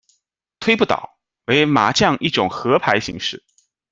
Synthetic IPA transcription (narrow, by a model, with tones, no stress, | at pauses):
t̪ʰwe˥ɪpu˥˩t̪ɑ̰˨˩˦ʊ | we˧˥ɪma̰˨˩˥t͡ɕjɑ˥˧ŋʔi˥˩ʈ͡ʂʊ˨˩ŋxɤ˧˥pʰa˧˥ɪɕḭ˧˥ŋʂɻ̩˥˩